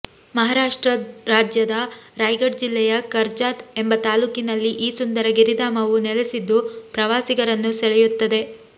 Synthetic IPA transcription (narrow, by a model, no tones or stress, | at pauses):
mɐɦaːɾaːʂʈɾɐɾaːd͡ʒjɐd̪ɐɾaːjɡɐɽd͡ʒilːɛjɐkɐɾd͡ʒaːt̪e̞mbɐt̪aːluːkinɐlːiʔiːsund̪ɐɾɐɡiɾid̪aːmɐʋunelesid̪ːupɾɐʋaːsiɡɐɾɐnːusɛɭɛjut̪ːɐd̪e̞